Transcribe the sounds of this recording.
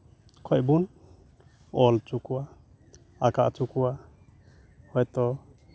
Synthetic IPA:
kʰɔʔbun | ɔlt͡ʃukuwa | akaʔt͡ʃukuwa | hɔjt̪ɔ

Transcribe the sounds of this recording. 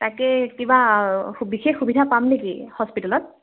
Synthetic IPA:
takɛkibabixexːubidʱapamnekihɔspitalɔt̚

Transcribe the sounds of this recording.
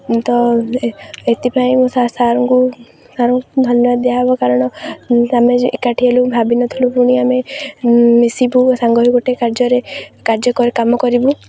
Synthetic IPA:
t̪ɔ | et̪ipʰaĩmũsasaɾɔŋku | saɾɔŋkud̪ʱɔnjɔbad̪d̪eaɦbɔkaɾɔɽ̃ɔameḛkaʈʰiɦelubʱabinɔt̪ʰilupuɽ̃iame | misibusaŋɡɔɦiɡɔʈekaɾd͡ʒɔɾekaɾd͡ʒɔkɔɾekamɔkɔɾibu

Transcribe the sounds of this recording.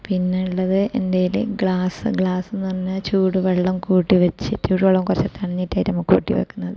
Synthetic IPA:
pinːeuɭːɐðɨʔendejlɨ̰ɡɭaːsɨɡɭaːsenːurɐɲːɨt͡ɕuːɽuʋeɭːɐmkuːʈːiʋɐt͡ɕːɨt͡ɕuːɽuʋeɭːɐmkurɐt͡ɕːɐt̪ːɐɳɐɲːitːaːjnɐmːɐkṵːʈːḭʋɐ̰kːunːɐðɨ

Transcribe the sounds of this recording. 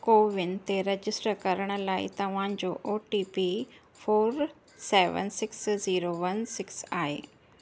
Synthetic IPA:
koːʋɪnt̪eɾɐd͡ʑɪsʈɾəkɐɾəɽ̃ə̆laːḭt̪ɐʋ̤ãːɲd͡ʑoːʔoːʈiːpi | foːɾ | seːʋə̰nsɪksziːɾoʋɐnsɪksaːɦḛː

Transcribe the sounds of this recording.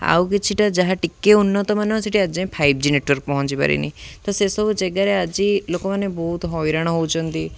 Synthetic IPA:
a̰wkit͡ʃʰiʈad͡ʒaɦãʈikːeunːɔt̪ɔmanɔ̃seʈʰiad͡ʒãĩpʰaib̚d͡ʒineʈʋɔɾk̚pɔɦɔ̃nt͡ʃipa̰ɾḭnḭ̃t̪ɔsesɔbud͡ʒɛɡaɾead͡ʒilokɔmanːebɔɦut̪ɦɔʋiɾaɽ̃ɔɦowt͡ʃʰɔnt̪i

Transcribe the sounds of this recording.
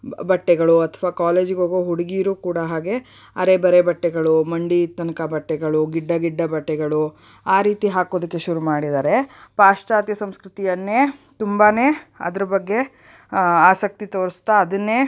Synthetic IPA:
bɐʈːɛɡɐɭuɐt̪ʰɐʋaːkaːleːd͡ʒiɡoːɡoɦuɽiɡiːɾuːkuːɽɐɦaːɡe̞ | ɐɾebɐɾebɐʈːɛɡɐɭumɐɳɖit̪ɐnɐkɐbɐʈːɛɡɐɭuɡiɖːɐɡiɖːɐbɐʈːɛɡɐɭu | aːɾiːt̪iɦaːkoːd̪ɐkːe̞ʃuɾumaːɽid̪aːɾe̞paːʂt͡ʃaːt̪jɐsɐmskɾut̪ijɐnːeːt̪umbaːne̞ːɐ̰d̪ɐɾɐbɐɡːe̞ | aːsɐk̚t̪it̪oːɾist̪aːd̪ɐnːeː

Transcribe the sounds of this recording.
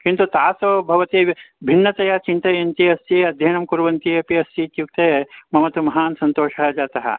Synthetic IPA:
kint̪ut̪aːsoːbʱɐʋɐt̪iːbʱinːɐt̪ɐjat͡ʃint̪ɐjɐnt̪iɐsjɐɐd̪ʱjɐːnɐmkuɾʋɐnt̪ijɐpiɐsiːt̪juk̚t̪ɐjɐmɐmɐt̪umɐɦaːnsɐnt̪oːʂɐɦɐd͡ʒaːt̪ɐɦɐ̰

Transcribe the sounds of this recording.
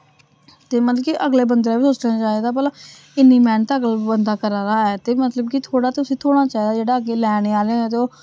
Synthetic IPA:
t̪eːmət̪ləkiʔəɡleːbənd̪ɾaːbiːsoːt͡ʃnãːt͡ʃaːiːd̪aːpɛːlãː | ɪnːiːmɛːnt̪ːəɡəlbənd̪aːkəɾaɾaːɦɛːt̪eːmət̪ləbkit̪ʰoːɽaːt̪eʊsĩːt̪ʰoːɽ̃aːt͡ʃaːiːd̪aːd͡ʒeːɽaːəɡeːlɛːɽeːaːleãt̪eoː

